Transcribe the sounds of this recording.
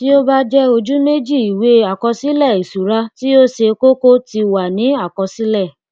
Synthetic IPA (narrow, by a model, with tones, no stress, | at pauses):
ti˦o˦ba˦d͡ʒɛ˦o˧d͡ʒu˦me˦d͡ʒi˦˨i˨we˧˦a˨kɔ˧si˦lɛ˦˨i˨su˨ɾa˦ti˦o˦ʃe˧ko˦ko˦ti˧wa˨nĩ˨˦a˦˨kɔ˧si˦lɛ˦˨